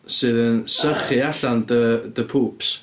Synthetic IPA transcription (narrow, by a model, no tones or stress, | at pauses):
sɨːðənsəχɨaɬandəðəpʰuːps